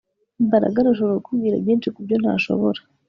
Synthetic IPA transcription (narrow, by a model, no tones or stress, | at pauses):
mbaɾa̰ɡaɾaʃ̬oβookuɡiːɾaβjiːnʃikubɟon̥ha̰ʃo̞̰βoɾa